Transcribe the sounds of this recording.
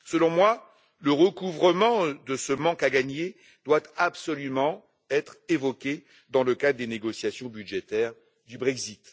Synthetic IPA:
səlɔ̃mwa | ləʁəkuvʁəmɑ̃d̪əsəmɑ̃kaɡaɲe | d̪̥wat̪apsɔlymɑ̃ | ɛt̪χevɔkʲe | d̪ɑ̃ləkad̪ʁəd̪eneɡɔsjasjɔ̃bydʒet̪ɛʁ | d̪ybʁɛkzit̪

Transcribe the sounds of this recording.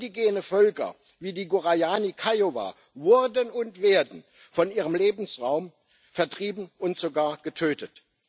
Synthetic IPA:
diɡeːnəfœlkɐ̰ | viːdiːɡuʁajaːnikʰaɪjova̰ː | vʊɐdənʊntv̥eːɐdn̩ | fɔnʔiːʁəmleːbn̩sʁaʊm | fɛɐtʁ̥iːbm̩ʊntz̥oɡaːɐɡ̥ətʰøːtət

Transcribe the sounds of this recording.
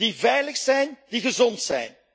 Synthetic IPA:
divɛjləxsɛjndiɣəzɔntsɛ̰jn

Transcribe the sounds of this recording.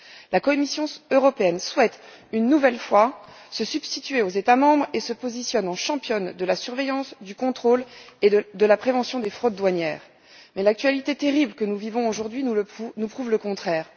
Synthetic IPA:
lakɔmisjɔ̃øʁɔpeɛnswɛt̪ | ynːuvɛlfwa | səsyb̥st̪it̪ɥeozet̪amɑ̃bʁesəpozisjɔnɑ̃ʃɑ̃pjɔnd̪əlasyʁvejɑ̃sd̪ykɔ̃t̪χoled̪əlapχevɑ̃sjɔ̃d̪efχod̪ːwaɲjɛːʁ | mɛlak̚t̪ɥalit̪et̪eʁiblkənuvivɔ̃oʒuʁd̪ɥinupχuvləkɔ̃t̪χɛːʁ

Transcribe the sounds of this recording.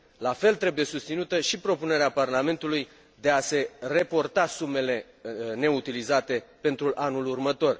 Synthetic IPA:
lafe̞lt̪ɾe̞buje̞sust̪sinut̪əʃipɾo̞pune̞ɾeaparlame̞nt̪uluj | d̪e̞ase̞repo̞rt̪asume̞le̞ | ne̞ut̪ilizat̪e̞pe̞nt̪ɾuʔanulurmət̪o̞r

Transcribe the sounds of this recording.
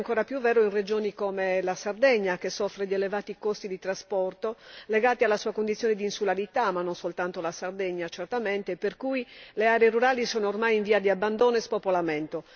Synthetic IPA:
ŋkɔːɾapjuvːɛːɾoinred͡ʒoːnikomelasard̪ɛɲːakesːɔfɾed̪ielevaːt̪ikost̪id̪it̪ɾaspɔrt̪oleɡaːt̪ialːasuːakond̪it̪sːjoːned̪iːnsulaɾit̪amːanːonsolt̪ant̪olasard̪ɛɲːat͡ʃert̪ament̪eperkuileaːɾeeruɾaːlisɔːnoormajiɱviːad̪iabːand̪oːnoespopolamɛnt̪o

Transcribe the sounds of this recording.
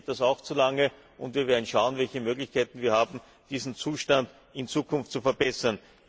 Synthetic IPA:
t̚d̥asaʊxt͡sulaŋə | ʔʊntviːɐvɛːɐdn̩ʃaʊənvɛlçəmøːɡlɪçkʰaɪtn̩viːɐhaːbm̩ | d̥iːzn̩t͡suːʃtand | ɪnt͡suːkʰʊnftt͡sufɛɐbɛsɐn

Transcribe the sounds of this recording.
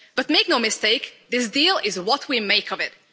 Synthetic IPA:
b̥ʌt̚meɪknoʊmɨsteɪkðɪs̬diːlˠɪzwʌt̚ʰwimeɪkʌvɪt̚

